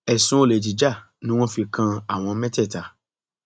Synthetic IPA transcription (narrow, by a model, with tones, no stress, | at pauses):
ɛ˨sũ˨˦o˦˨le˨ti˨d͡ʒa˦˨ | nĩ˦w̃ɔ̃˦fi˨˧kã˧a˨w̃ɔ̃˧mɛ̃˦tɛ˦˨ta˨